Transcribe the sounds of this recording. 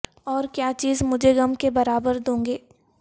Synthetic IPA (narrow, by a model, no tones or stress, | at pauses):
ɔːɾkjaːt͡ʃiːzmʊd͡ʒʱeɡɐmkebɐɾaːbəɾd̪õːŋɡeː